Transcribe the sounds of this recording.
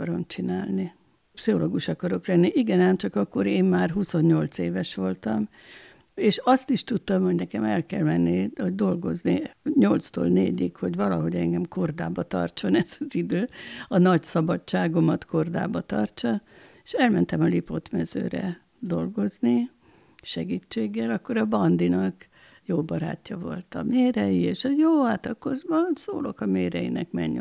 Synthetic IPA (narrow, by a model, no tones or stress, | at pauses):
ɾo̞mt͡ʃinaːlni | psiɦoloːɡuʃɒkɒɾo̞klɛnːiʔiɡɛnaːnt͡ʃɒkɒkːo̞ɾeːmːaːrɦuso̞ɲːo̞lt̪seːvɛʃʋo̞lt̪ɒm | eːʃɒst̪iʃt̪ut̪ːɒmho̞ɟnɛkɛmɛlkɛ̰lmɛnːihoɟd̪o̞lɡo̞zniɲo̞lt̪st̪o̰ːlnḛːɟikho̞ɟʋɒlɒɦo̞ɟɛŋɡɛmko̞rd̪a̰ːbɒt̪ɒ̰rt͡ʃo̞nɛz̥ɒzid̪øːɒnɒcsɒbɒt͡ʃt͡ʃːaːɡo̞mɒt̪ko̞rd̪a̰ːbɒt̪ɒrt͡ʃɒeʃɛlmɛnt̪ɛmɒlipot̪mɛzø̰ːɾɛ̰ | d̪o̞lɡo̞zni | ʃɛɡit͡ʃːeːɡːɛlɒkːo̞ɾɒbɒnd̪inɒk | joːbɒɾa̰ːcːɒvo̞̰lt̪ɒmeːɾɛjieːʃjoːhaːt̪ɒkːo̞rɒso̰ːlo̞kɒmeːɾɛjḭnɛkmɛɲː